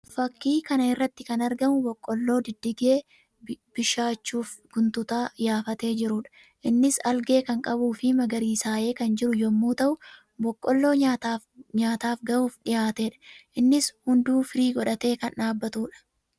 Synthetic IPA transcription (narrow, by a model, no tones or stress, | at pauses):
fɐkːiːkɐnɐɪrːɐt̪ːɪkɐnɐɾɡɐmʊbɔkʼːɔlːo̞ːd̪ɪd̪ːɪɡeː | b̥ɪʃaːt͡ʃːuːfɡ̥ʊnt̪ʊt̪aːjaːfɐt̪e̞ːd͡ʒɪɾʊᶑɐ̥ | ʔɪnːɪsɐlɡe̞ːkɐŋkʼɐbuːfɪmɐɡɐɾiːsaːʔe̞ːkɐnd͡ʒɪɾʊjɔmːuːt̪ɐʔʊ | bɔkʼːɔlːo̞ːɲat̪aːɲaːt̪aːfɡɐʔuːfᶑɪjaːt̪e̞ːᶑɐ̥ʔɪnːɪshʊnd̪uːfɪɾiːɡɔᶑɐt̪e̞ːkɐnᶑaːbːɐt̪uːᶑɐ̥